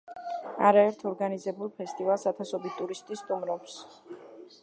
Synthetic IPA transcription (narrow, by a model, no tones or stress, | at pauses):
a̰ɾaɛɾt̪ʰɔɾɡanizɛbulˠpʰɛst̪ʼivalˠsat̪ʰasɔbit̪ʼuɾist̪ʼist̪ʼumɾɔps